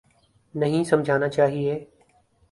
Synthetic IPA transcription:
nəɦĩsɐmd͡ʒʱaːnat͡ʃaːɦieː

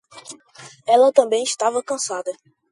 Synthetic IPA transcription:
ɛlɐt̪ɐ̃bẽj̃iʃt̪avɐkɐ̃sad̪ɐ

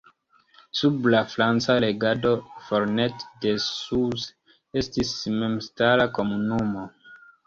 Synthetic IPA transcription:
sublafɾant͡sale̞ɡado̞foɾnetde̞suz | e̞stisme̞mstaɾako̞munumo̞

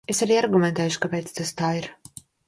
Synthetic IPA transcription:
esaɾiːaɾɡumɛ̃nt̪ɛːjʊʃkapɛːt̪st̪ast̪aːiɾ

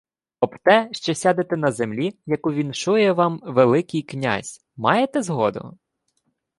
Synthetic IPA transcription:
ɔbt̪ɛʃt͡ʃɔsʲad̪et̪ɛnɐzemlʲijɐkuʋʲint͡ʃujɛʋɑmʋelˠɪkɪjknʲa̰zʲ | mɑjet̪ɛzɦɔd̪ʊ̰

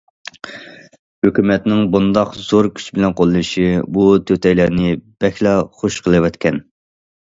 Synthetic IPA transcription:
høkʲymɛt̪nɪŋbund̪ɑqz̥oɾkʲʰy̥t͡ʃʰbɪlɛnqolˠɨnɨʃibut̪ʰøt̪ʰɛjlæɾnɪb̥ɛxʲlɑχoʃqʰəlˠɨwɛt̪kʲʰɛn

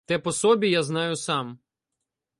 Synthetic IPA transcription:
t̪ɛpɔsɔbʲijaznɑjʊsɑm

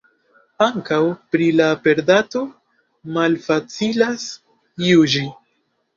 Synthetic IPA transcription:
aŋkawpɾilape̞ɾdato̞ | malfat͡silas | jud͡ʒi

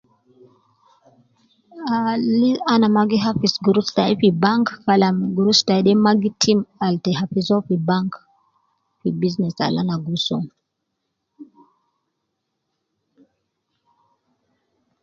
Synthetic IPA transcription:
alianamaɡiɦafisɡuɾustaifibaŋkːalamɡuɾustajɗɛmaɡitʰimaltɛɦafizɔfibaŋk | fibiznɛsa̰la̰naɡusɔ

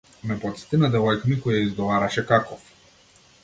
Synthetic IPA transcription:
mɛpɔt̪st̪inad̪ɛvɔjknikɔjaizɡɔvaɾaʃɛkakɔf

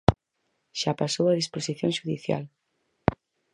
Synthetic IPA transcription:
ʃapasowaðisposiθjõŋʃuðiθja̰l

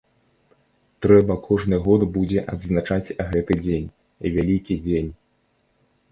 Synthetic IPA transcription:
t̪ɾɛbɐkʰɔʐnɨɣɔd̪bud͡zʲɛʔɐ̰d̪znat͡ʂat͡sʲɣɛt̪ɨd͡zʲenʲ | vʲalʲikʲid͡zʲenʲ

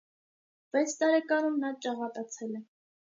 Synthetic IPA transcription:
vɛt͡sʰt̪ɑɾɛkɑnumnɑt͡ʃɑʁɑt̪ɑt͡sʰɛlɛ

